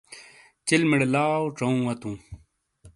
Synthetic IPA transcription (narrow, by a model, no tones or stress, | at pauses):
t͡ɕilmiɽelaːwʈ͡ʂɐũwɐt̪ũː